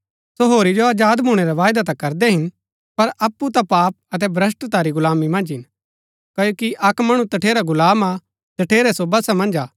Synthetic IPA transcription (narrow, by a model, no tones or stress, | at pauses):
soɦoːɾid͡ʒoaːd͡ʒaːd̪muːɽ̃ɛɾaʋaːjd̪at̪̬akɐɾd̪ɛɦɪn | pɐɾɐpːut̪apaːp̚ɐt̪̬ɛbɾɐs̬ʈt̪aɾiɡʊlaːmimɐ̃nd͡ʒɦɪn | kɐjoːkiʔɐkmɐɽ̃ũt̪ɐʈʰeːɾaɡʊlaːma | d͡ʒ̪ɐʈʰeːɾɛsobɐsamɐ̃nd͡ʒaː